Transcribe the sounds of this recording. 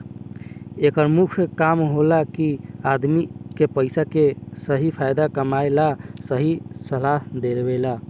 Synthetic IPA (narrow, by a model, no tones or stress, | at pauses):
ekəɾmukʰjkamɦolakiad̪mikepəɪsakesəɦipʰajd̪akəmaelasəɦisəlaɦd̪elbela